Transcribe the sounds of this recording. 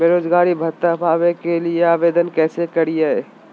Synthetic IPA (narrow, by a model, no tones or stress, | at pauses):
beːɾoːd͡ʒɡaːɾibʱɐt̪ːapaːʋekelieaːʋeːd̪ənkɛːsekɐɾijaɦɛː